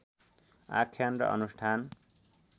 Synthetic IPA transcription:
a̰kʰjanrʌ̰ʔʌ̰nusʈʰan

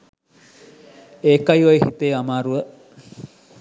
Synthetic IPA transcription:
eːkɐjʋojɦit̪eːamaːɾuə

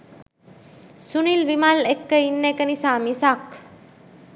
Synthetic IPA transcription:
sunilʋimalekːəinːekənisaːmisak

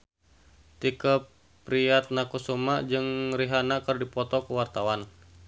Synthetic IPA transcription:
t̪ikəpː | ɾiat̪̚nakusomaʔd͡ʒɨŋriɦanakɨrdipɔt̪ɔkəwart̪awan

